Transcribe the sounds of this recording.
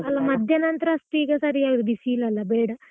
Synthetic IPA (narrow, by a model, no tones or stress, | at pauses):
ɐlːɐmɐd̪ʱjɐnɐnt̪ɾɐɐst̪uiːɡɐsɐɾiaːɡɾud̪isilɐlːɐbeːɽɐ